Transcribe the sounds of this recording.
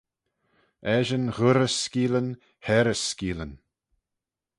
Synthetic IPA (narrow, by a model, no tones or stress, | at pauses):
ɛʒənɣʊɾəskiːlən | hɛɾəskiːlən